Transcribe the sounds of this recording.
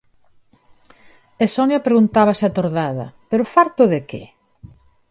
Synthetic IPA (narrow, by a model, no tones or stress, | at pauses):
esɔnjɐpeɾeɣunt̪aβɐsat̪oɾðaðɐ̰peɾʊfaɾt̪ʊðekḛ